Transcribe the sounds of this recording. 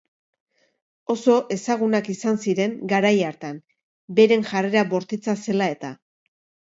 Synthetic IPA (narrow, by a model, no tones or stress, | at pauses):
o̞so̞ʔe̞saɣ̞unakisansiɾe̞ŋɡaɾajaɾt̪an | be̞ɾe̞ŋʝare̞ɾaβo̞ɾt̪it͡sase̞lae̞t̪a